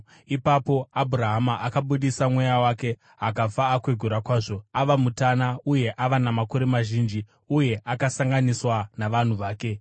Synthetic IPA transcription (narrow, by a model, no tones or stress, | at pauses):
ipapo̞abʱuɾaɦamaʔakaɓuɗisamwe̞jawaːke̞ | akafaːkwe̞ɡʱuɾakwaːʐo̞aʋamutanauje̞ʔaʋanamako̞ɾe̞maʒiːnd͡ʒi | uje̞ʔakasaŋɡaniswanaʋan̤uʋaːke̞